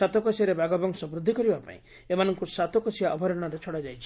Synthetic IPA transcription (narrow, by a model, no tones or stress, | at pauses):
at̪ɔkɔsiaɾebaɡɔbɔŋsɔbɾud̪ʱːikɔɾibapa̰ḭ̃ | emanɔŋkusat̪ɔkɔsiaʔɔbʱɔɾɔɽ̃aɾet͡ʃʰɔɽad͡ʒajt͡ʃʰi̥